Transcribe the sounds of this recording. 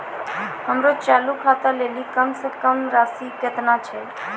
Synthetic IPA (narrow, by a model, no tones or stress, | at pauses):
həmɾot͡ʃalukʰat̪əlelikəmsə̃kəmɾasikət̪nat͡ʃʰɛ